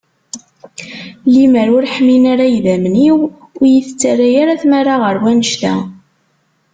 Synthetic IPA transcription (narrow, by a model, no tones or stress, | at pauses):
liməɾʊɾħminaɾajðæmniw | ʊjiθt͡sːarajaɾaθmaɾaʁəɾwænəʃt̪æ̰